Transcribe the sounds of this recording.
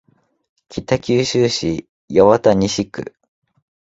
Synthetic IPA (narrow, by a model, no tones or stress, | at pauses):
kʲit̪akʲɨːɕɨːɕi | joβat̪aɲ̟iɕikɯ̟̰